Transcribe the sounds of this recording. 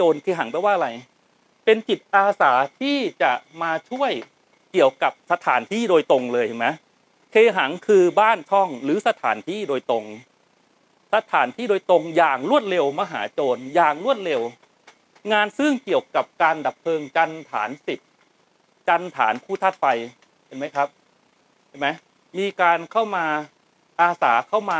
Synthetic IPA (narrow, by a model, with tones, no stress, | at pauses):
t͡ɕoː˧nkʰeː˧ɦa˩˦ŋpa˧˩˦waː˥˩ʔɾa˧j | pe˧nt͡ɕi˨˩t̪̚ʔaː˧saː˩˦t̪ʰiː˥˩t͡ɕa˨˩ʔmaː˧t͡ɕʰu˥˩əj | ki˨˩əwka˨˩p̚sa˧t̪ʰaː˩˦nt̪ʰiː˥˩doː˧jt̪o˧ŋlɤː˧jma˦˥ | kʰeː˧ɦa˩˦ŋkʰɯː˧baː˥˩nt͡ɕʰɔ˥˩ŋɾɯː˩˦sa˧t̪ʰa̰ː˩˦nt̪ʰiː˥˩doː˧jt̪o˧ŋ | sa˧t̪ʰaː˩˦nt̪ʰiː˥˩doː˧jt̪o˧ŋjaː˨˩ŋɾu˥˩ət̪̚le˧wmaː˧ɦa̰ː˩˦t͡ɕoː˧njaː˨˩ŋɾu˥˩ət̪̚le˧w | ŋaː˧nsɯ˥˩ŋki˨˩əwka˨˩p̚kaː˧nda˨˩pʰːɤː˧ŋt͡ɕa˧nt̪ʰa̰ː˩˦nsi˨˩t̪̚ | t͡ɕa˧nt̪ʰaː˩˦npʰuː˥˩t̪ʰa˦˥t̪̚fa˧j | pe˧˩nma˦˥jkʰa˦˥p̚ʰ | a˥˩jma˦˥j | miː˧kaː˧nkʰa˥˩wmaː˧ | ʔaː˧saː˩˦kʰa˥˩wmaː˧